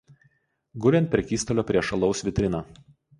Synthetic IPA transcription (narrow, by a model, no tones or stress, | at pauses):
ɡʊɾʲɛnt̪̚ʲpʲɾʲɛkʲiːst̪ɔlʲoːpʲɾʲiɛʃɐlˠɒʊsʋʲɪt̪ʲɾʲɪnɑː